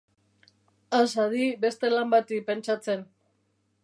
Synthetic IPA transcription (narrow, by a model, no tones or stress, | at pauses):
asaðibe̞st̪e̞lambat̪ipe̞nt͡ʃat͡se̞n